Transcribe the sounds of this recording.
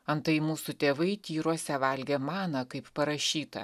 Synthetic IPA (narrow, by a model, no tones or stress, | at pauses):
ɐnt̪ɐɪmuːsut̪ʲeːʋɐɪt̪ʲiːɾoɔsʲɛʋɐlʲɡʲeːmɑːnɐkɐɪppɐɾɐʃʲiːt̪ɐ̰